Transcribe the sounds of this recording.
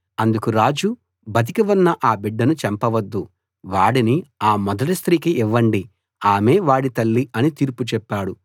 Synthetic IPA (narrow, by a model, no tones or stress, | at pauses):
ɐnd̪ukuɾaːd͡ʒu | bɐt̪̬ikiʋɐnːɐʔaːbiɖːɐnut͡ʃɛmpɐʋɐd̪ːu | ʋaːɽiniaːmɔd̪ɐʈist̪ɾiːkiʔːʋːɐɳɖi | aːme̞ːʋaːɽit̪ɐlːiɐnit̪iːɾput͡ʃɛpːaːɽu